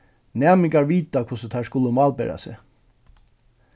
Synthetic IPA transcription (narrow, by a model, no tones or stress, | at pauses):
næːmɪŋkaɹʋiːt̪akʰʊsət̪ʰaskʊlːəmɑːlbḛːɾa̰sɛ̰